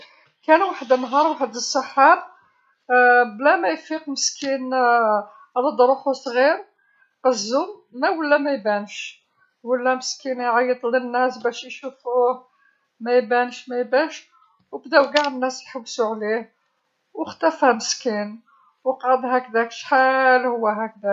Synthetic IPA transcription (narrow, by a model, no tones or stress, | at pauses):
kænwaħəd̪ənːɦɑɾˤwaħəd̪əsˤːɑħɑ | blæmæjfiqməskin | ləd̪ˤɾˤuxusˤɣiɾ | ʔəzːumːæwəlːæmæjbænʃ | wəlːæməskinjʕɑjːəd̪ˤlənːæsbæʃjʃufuh | mæjbænʃmæjbæʃ | wbd̪æwɡaʕənːæsjħabːsuʕlih | wəxt̪æfhæməskin | wqʕəd̪ɦækd̪ækʃħalhʊwːæɦæk̚d̪æ